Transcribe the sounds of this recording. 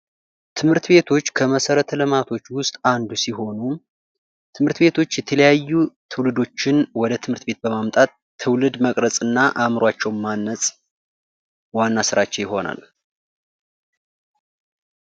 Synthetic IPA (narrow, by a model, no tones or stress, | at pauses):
t̪ʰɨmhɨɾt̪be̞t̪ʰo̞t͡ʃːkʰəməsəɾət̪ʰlɨmat̪ʰo̞t͡ʃːwʊst̪ʼand̪usiɦo̞nu | t̪ʰɨmhɨɾt̪be̞t̪ʰo̞t͡ʃːjɛt̪ʰələjajːut̪ʰɨwlɨd̪o̞t͡ʃːɪnwɔd̪ət̪ʰɨmhɨɾt̪be̞t̪̚bəmamt̪ʼat̪ʰːɨwlɨd̪məkʼɾəsʼɨnːaʔamɾwat͡ʃːɛwmːanːəsʼ | wanːasɨɾat͡ʃːɛwjɪɦo̞na̰l